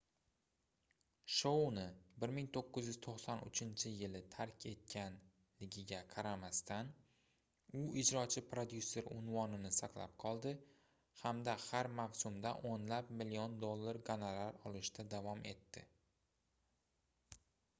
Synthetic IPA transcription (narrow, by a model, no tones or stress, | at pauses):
ʃownɪbɪɾmɪŋt̪ʰoqːɨzjyz̥t̪ʰoqsanʊ̰t͡ʃʰɪnt͡ʃʰɪjɪlɪt̪ʰaɾkʲʰe̞t̪̚kʲʰan | lɪɡʲɪɡʲaqʰɑɾamast̪an | ʊɪd͡ʒɾɒt͡ʃʰɪpɾod̪jusːe̞ɾʊ̰nvɒnɪnɪsaqla̰p̚qʰɒlˠd̪ɪ | hamd̪ahaɾmawsʊmd̪a̰ʔonlapmɪliond̪o̞lˠːaɾɡanalaɾɒlˠɪʃt̪ʰad̪avɒmʔe̞̰t̪ːɪ